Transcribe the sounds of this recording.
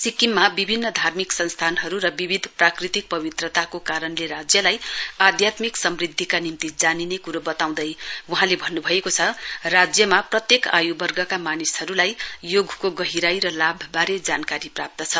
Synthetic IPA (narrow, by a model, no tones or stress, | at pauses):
sikimːabibʱinːʌd̪ʱarmiksʌnst̪ʰanɦʌɾuɾʌbibʱid̪ʱprakrit̪ik̚pʌbit̪rʌt̪akokaɾʌnleɾad͡zjʌlajad̪ʱjat̪miksʌmrid̪ʱːikanimt̪id͡zaninekuɾobʌt̪aw̃d̪ʌjwuɦãlebʱʌnːubʱʌekot͡sʰʌrad͡zjʌmaprʌt̪jeka̰jubʌrɡʌkamanisɦʌɾulajjoɡʱkoɡʌɦiɾajɾʌlabʱʌbaɾed͡zankaɾiprap̚t̪ʌt͡sʰʌ